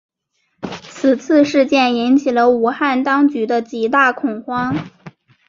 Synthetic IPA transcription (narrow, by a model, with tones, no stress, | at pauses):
t͡s̩ʰ˨˩t͡s̩ʰ˥˧ʂɻ̩˥˧t͡ɕjɛ˥˩ni˧˥nt͡ɕʰi˨˩lə˦u˨˩xa˥˩nt̪ɑ˥ŋt͡ɕy˧˥d̪ə˧t͡ɕi˨˩t̪a˥˩kʰʊ˨˩ŋxwɑ˥ŋ